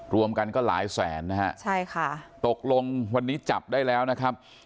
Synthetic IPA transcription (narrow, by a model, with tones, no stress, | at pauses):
ɾu˧əmka˧nkɔː˥˩la̰ː˩˦jsɛː˩˦nːa˦˥ɦɛ˦˥ʔt͡ɕʰa˥˩jkʰa˥˩t̪o˨˩k̚lo˧ŋwa˧nːiː˦˥t͡ɕa˨˩p̚daː˥˩jlɛː˦˥wna˦˥kʰɾa˦˥p̚